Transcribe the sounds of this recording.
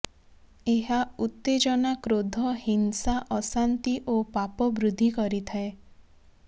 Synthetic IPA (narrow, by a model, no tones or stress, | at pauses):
eɦaut̪ːed͡ʒɔnakɾod̪ʱɔhinsaʔɔsant̪iʔopapɔbɾud̪ʱːikɔɾit̪ʰae